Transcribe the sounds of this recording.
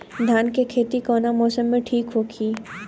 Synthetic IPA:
d̪ʱjaːnkekʰeːt̪ikɔːnamɔːsəmːẽʈʰiːkɦoːkʰiː

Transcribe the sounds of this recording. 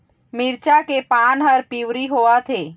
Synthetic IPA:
mɪɾt͡ʃakepaːnɦəɾpiwɾiɦoːat̪ʰeː

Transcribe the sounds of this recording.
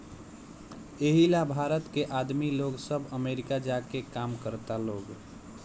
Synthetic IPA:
eɦilabʱaɾət̪keʔad̪miloɡsəbəmeɾikad͡ʒakekamkəɾt̪aloːɡ

